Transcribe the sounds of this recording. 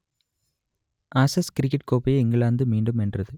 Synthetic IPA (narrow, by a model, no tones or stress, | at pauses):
ɐsɐskɾɪkːɐʈkoːpːɐjɛŋɡɐɭaːnd̪ɯmiːɳɖɯmɛndrɐðɯ